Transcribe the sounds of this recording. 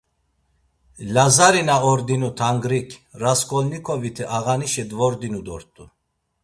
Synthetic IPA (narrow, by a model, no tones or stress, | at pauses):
lazaɾinaɔɾd̪inut̪ʰaŋɡɾikʰʼɾaskʼɔlnikʰɔvit̪ʰɛʔaɣaniʃɛd̪vɔɾd̪inud̪ɔ̰ɾt̪ʼu